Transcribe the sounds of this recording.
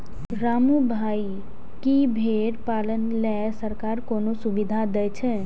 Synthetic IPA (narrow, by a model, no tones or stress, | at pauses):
ɾamubʱai | kibʱeɾpalənlɛ | səɾkaɾkonosubid̪ʱad̪ɛjt͡ʃʰɛ̃